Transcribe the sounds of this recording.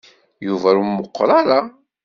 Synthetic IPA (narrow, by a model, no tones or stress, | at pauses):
juvæɾumːəqːɾˤaɾa